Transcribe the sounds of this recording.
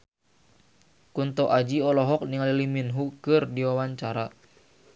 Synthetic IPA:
kunt̪ɔʔad͡ʒiɔlɔɦɔk̚niŋaliliminɦukɨrdiwawaɲt͡ʃaɾa

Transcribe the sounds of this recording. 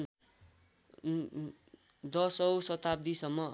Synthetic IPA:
d̪ʌsʌwsʌt̪ab̚d̪isʌmːʌ

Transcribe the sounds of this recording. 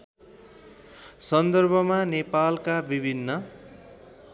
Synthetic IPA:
sʌnd̪ʌrbʱʌmanepalkabibʱinːʌ

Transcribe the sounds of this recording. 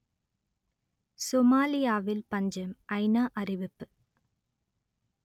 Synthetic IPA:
somaːlɪjaːʋɪlpɐɲd͡ʒɐmɐɪnaːʔɐrɪʋɪpːɯ

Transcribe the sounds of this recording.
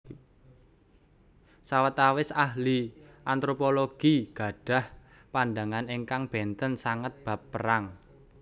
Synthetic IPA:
sawət̪awɪsahliʔant̪ɾopoloɡ̥iɡ̥a̤ɖ̥a̤h | panɖaŋaniŋkaŋb̥ɛnt̪ənsaŋət̪̚b̥ä̤pːəɾaŋ

